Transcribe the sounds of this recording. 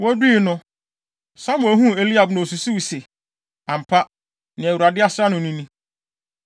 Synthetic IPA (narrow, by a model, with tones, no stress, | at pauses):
wɔ˦du˦i˨nʊ̃˦ | sã˦mʊ̃˨æ˨˦ɦũ˦e˦˨li˦a˨bnʊ̃˨su˨su˦wsɪ˨ | a˨m̩˨pʰa˦ | nɪ̃˨æ˨wu˨ɾa˨dɪ˦a˦sɾa˦nʊ̃˨nĩ˦nĩ˦